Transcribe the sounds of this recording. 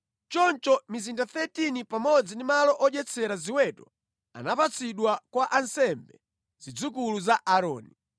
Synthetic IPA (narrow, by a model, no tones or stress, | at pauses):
t͡ʃɔnt͡ʃɔmizindaθɛtinipamɔd͡zindimalɔʔɔd͡ʒɛt͡sʰɛɾaziwɛtɔ | a̰napat͡sʰiɗwakwaʔansɛmbɛ | z̥id͡zuk̬uluzaʔaɾɔ̰ːni